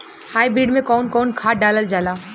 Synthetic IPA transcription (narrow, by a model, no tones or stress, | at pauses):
haːibɾiːɖmẽkɔːnkɔːnkʰaːɖaːləld͡ʒaːlaː